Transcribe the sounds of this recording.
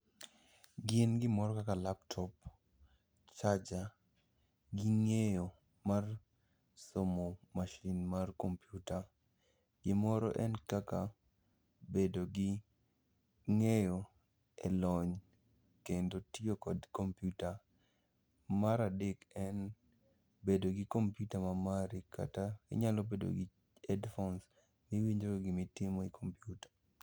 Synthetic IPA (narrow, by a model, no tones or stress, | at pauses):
ɡɪnɡɪmɔɾɔkakalaptʰɔp | t͡ʃad͡ʒa | ɡɪŋejo | mar | somomaʃinmarkompjuta | ɡɪmɔɾɔ̰ʔɛnkaka | bedoɡɪ | ŋejɔ | ɛ̰lɔɲ | kendotjokɔdkompjuta | maɾadekɛn | bedoɡɪkompjutamamaɾika̰taḭɲalobedo̰ɡɪ | ɛdfɔns | miwiɲd͡ʒɾoɡɪmitɪmoikʰompjutḁ